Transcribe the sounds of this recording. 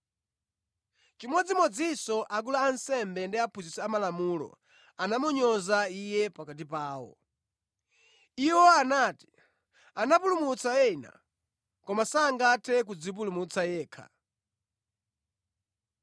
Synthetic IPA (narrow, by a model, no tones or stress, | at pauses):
t͡ʃimɔd͡zimɔd͡zisɔʔak̬ulaːnsɛmbɛndiapʰuzisɛamalamuːlɔ̰ | anamuɲɔzaijɛpakat̬ipaːwɔ̰ | iwɔanaːti̥ | anapulumut͡sʰaɛna̰ | kɔmasaːŋɡatʰɛk̬ud͡zip̬ulumut͡sʰajɛːkʰa̰